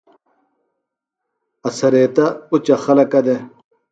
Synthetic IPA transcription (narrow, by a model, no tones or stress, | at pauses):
ɐsɐɾeːt̪ɐut͡ɕɐxɐlɐkɐd̪e